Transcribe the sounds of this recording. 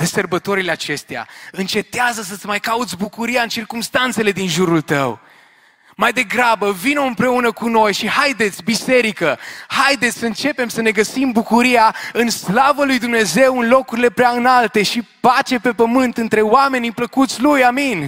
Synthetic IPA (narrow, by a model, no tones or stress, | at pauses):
d̪esərbət̪o̞ɾileat͡ʃe̞st̪ea̰ɨnt͡ʃe̞t̪eazəs̬ət̪sʲmajkaut̪sʲbukuɾiaɨnt͡ʃirkumst̪ant̪se̞le̞d̪inʒuɾult̪ə̰w | majd̪e̞ɡɾabəvino̞ɨmpɾe̞unəkuno̞jʃihajd̪e̞t̪sʲbise̞ɾikəhajd̪e̞t̪sʲsəɨnt͡ʃe̞pe̞msəne̞ɡəsimbukuɾijaɨnslavəlujd̪umne̞ze̞wɨnlo̞kuɾile̞pɾeaɨnalt̪e̞ʃipat͡ʃe̞pe̞pəmɨnt̪ɨnt̪ɾe̞wame̞nipləkut̪sʲlujamin